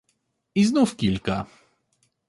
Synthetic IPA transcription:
iznufkʲilʲka

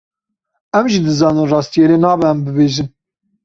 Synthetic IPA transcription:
ɛmʒid̪ɨzɑːnɨnrɑːst̪ijeɾenɑːbɛæmbɨbeːʒɨn

